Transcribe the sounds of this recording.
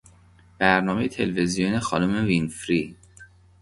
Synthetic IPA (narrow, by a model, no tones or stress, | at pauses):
b̥æɾnɒːme̞jet̪ʰe̞lvezijonexɒ̰ːnumevinfɾi